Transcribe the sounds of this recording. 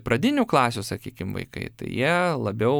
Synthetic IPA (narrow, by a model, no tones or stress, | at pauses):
pɾɐd̪ʲɪnʲuːklˠɑːsʲusɐkʲiːkʲɪmʋɐ̰ɪkɐ̰ɪt̪ɐ̰ɪjiɛlˠɐbʲɛʊ